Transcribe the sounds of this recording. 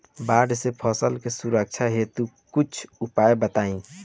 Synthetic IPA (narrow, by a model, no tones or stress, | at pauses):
baɖsepʰɔsəlkesuɾək̚t͡ʃʰaɦet̪u | kut͡ʃʰupaebət̪aĩ